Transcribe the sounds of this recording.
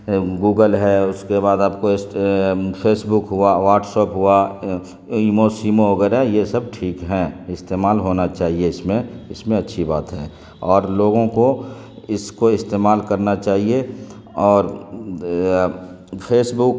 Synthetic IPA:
ɡuːɡəlɦɛʊskebaːd̪aːpkoɪs | pʰeːsbʊkɦʊaʋaːɾʈsoːpɦʊa | imosiːmoʋɐɡɛːɾaɛjesəb̚ʈʰiːkɦɛ̃ɪst̪eːmaːlɦoːnat͡ʃaːɦieɪsmẽɪsmẽɐtːʃʰiba̰ːt̪ɦɛ̰ː | ɔːɾloːɡõko | ɪskoɪst̪eːmaːlkɐɾnat͡ʃaːɦie | ɔːɾ | pʰeːsbʊk

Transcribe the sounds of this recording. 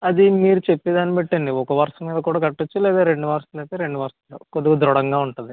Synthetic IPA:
ɐd̪imiːɾut͡ʃepːed̪aːnːipeʈːɐɳɖiɔkɐʋɐɾɐʂɐmːiːd̪ɐkuːɽaːɡɐʈːut͡ʃːulɛːd̪aːɾe̞ɳɖuʋɐɾɐsɐlɐt̪eːɾe̞ɳɖuʋɐɾɐsɐlːo̰ːkod̪uɡɐd̪ɾɔɽɐŋɡaːuɳʈund̪i

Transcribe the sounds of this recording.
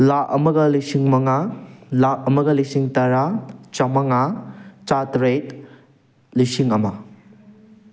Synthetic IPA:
laʔɐmɐɡɐlisiŋmɐŋalaʔɐmɐɡɐlisiŋtɐɾat͡ʃamɐŋat͡ʃatɾejt | lisiŋɐmɐ

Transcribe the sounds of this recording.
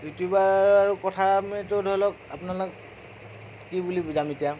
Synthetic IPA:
butubaaɹukɔtʰamɛtʊdʱɔlɔk̚apʊnalʊk̚ | kibulibuzametija

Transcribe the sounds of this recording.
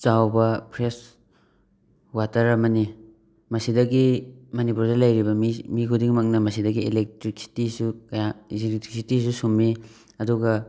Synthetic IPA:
t͡ʃawbɐpʰɾes | watɐɾɐmɐni | mɐsidɐɡimɐnipuɾdɐlɐjɾibɐmimikʰudiŋmɐk̚nɐmɐsidɐɡielek̚tɾiksi̥tisukɐjazitisitisusumːi | ɐduɡɐ

